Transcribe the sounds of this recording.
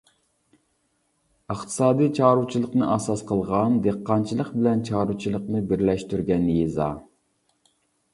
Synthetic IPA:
əχt̪ʰɨ̥sɑːd̪ijt͡ʃʰɑːɾut͡ʃʰilˠəqnɨʔɑsɑsqʰəlˠʁɑnd̪eqːɑnt͡ʃʰilˠəqbɪlɛnt͡ʃʰɑːɾut͡ʃʰilˠəqnɨbɪɾlɛʃt̪yɾɡʲɛnjezɑ̰ː

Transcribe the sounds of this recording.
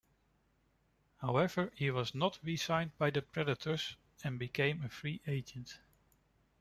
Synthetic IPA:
haʊɛvə˞hiwʌznətʰɹisãɪ̃n̚baɪðəpʰɹɛdɨtʰə˞z | ɨ̃nbɨkʰẽɪ̃mɨfɹiʔeɪd͡ʒə̃nt

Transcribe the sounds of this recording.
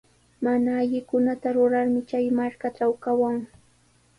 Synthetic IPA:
manaːʎɪkʊnat̪aɾʊɾaɾmɪt͡ʃajmaɾkaʈ͡ʂawkawaŋ

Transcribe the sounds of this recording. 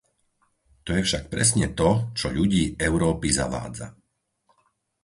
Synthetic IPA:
t̪ɔjɛfʃak̚pɾɛ̰sɲɛt̪ɔt͡ʃɔʎuɟiːɛʊɾɔːpiza̰ʋa̰ːd͡za̰

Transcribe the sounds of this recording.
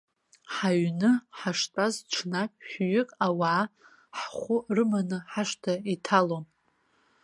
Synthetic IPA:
ħaɥnɨħaʂtʼazʈ͡ʂʷʰnakʲʼħʷᶣɥʏkʼawaʕː | ħχʷʊrɨmanɨħaʂtʰaitʰalom

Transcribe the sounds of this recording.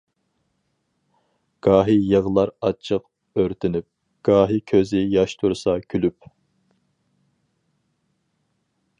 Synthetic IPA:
ɡ̥ɑːɦijəʁlˠɑɾɑt͡ʃʰəq̚ | øɾt̪ʰɪnyp̚ | ɡ̥ɑːɦikʲʰøzɪjɑʃt̪ʰuɾsɑkʲʰylyp̚

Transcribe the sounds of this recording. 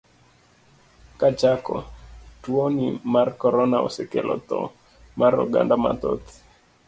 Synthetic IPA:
kat͡ʃakɔtwonimarkɔɾɔnaɔ̰sɛkɛlʔɔt̪ɔ̰ | maɾɔɡa̰ndama̰t̪ɔt̪

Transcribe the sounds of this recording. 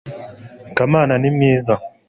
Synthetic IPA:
kamaːnanimeːza

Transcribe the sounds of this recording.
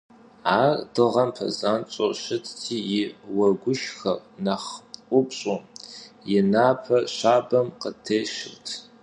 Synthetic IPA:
aːrd̥ɨʁɐmpʰɐ̰zaːnt͡ʃʼoɕɪtʰtʰiːjɪwɐɡʷʊʃxɐrnaχʷʼʊpɕʼomjɪnaːpʰɐɕaːbɐmqətʰeːʃɪrtʰ

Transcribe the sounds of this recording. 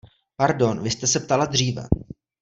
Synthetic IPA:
paɾdo̞nvɪst̪ɛsɛpt̪alad̪r̝iːvɛ̰

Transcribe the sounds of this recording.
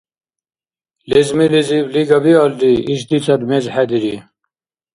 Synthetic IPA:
lezmilizibliɡɐbiɑld̪iiʃd̪it͡sɐd̪mezħæd̪iɾi

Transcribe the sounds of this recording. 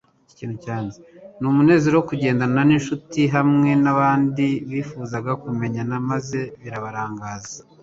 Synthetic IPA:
ciːnhucaːnzenumune̞ːze̞ɾowokuɟe̞ːndananinʃutiɦamŋe̞naβaːndiβiːfuːzaɡakume̞ɲanamaze̞βiɾaβaɾaːŋɡaːza

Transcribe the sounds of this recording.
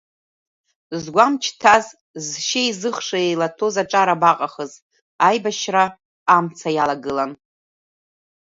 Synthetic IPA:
zɡʷamt͡ʃʰtʰaz | zʃejzɨχʂaejlatʰo̞zaʈ͡ʂʼaɾabaqʼaχəz | ajbaʃraː | mt͡sʰajalaɡɨlan

